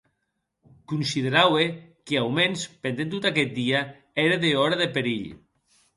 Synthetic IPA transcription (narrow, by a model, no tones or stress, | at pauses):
kunsiðeɾawekeawmenspend̪ent̪ut̪akɛt̪̚d̪ia | eɾeðeɔɾaðepeɾiʎ